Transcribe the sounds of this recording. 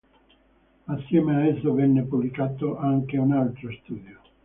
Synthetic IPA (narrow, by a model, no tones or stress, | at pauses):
asːjɛːmeaɛsːovɛnːepublikaːt̪oʔaŋkeunalt̪ɾost̪uːd̪jo